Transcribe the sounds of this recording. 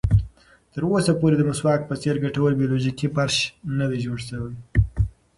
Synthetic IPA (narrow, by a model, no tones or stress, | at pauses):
t̪əɾosapoɾed̪əmʊswɑk̚pət͡seɾɡaʈawəlbijoloʒikipaɾʃnad̪aʒoɽsəwaj